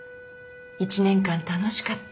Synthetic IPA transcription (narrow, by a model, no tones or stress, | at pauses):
it͡ɕinẽ̞ŋkãnt̪ano̞ɕi̥kat̪ː